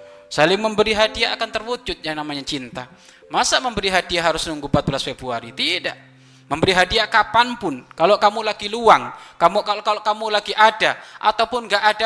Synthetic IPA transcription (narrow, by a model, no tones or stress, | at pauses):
salɪŋməmbəɾiɦadiaʔːkant̪ərwud͡ʒʊt̪̚jaŋnamaɲat͡ʃint̪a | masaməmbəɾiɦadiaɦaɾʊsməŋɡubat̪̚bəlasfebɾuaɾit̪ida̰ʔ | məmbəɾiɦadiakapanpʊnkaloʔkamulaɡiluaŋkamukaloʔkaloʔkamulaɡiʔadaʔa̰t̪awpʊnɡaʔada